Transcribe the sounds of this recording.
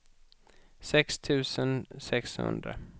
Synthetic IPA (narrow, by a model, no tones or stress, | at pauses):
sɛkst̪ʰʉ̟ːsənsɛkshɵ̰nd̪ɾə̰